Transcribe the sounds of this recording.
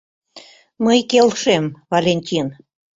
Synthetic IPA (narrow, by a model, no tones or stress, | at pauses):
məjkelʃemvɑlʲenʲtʲin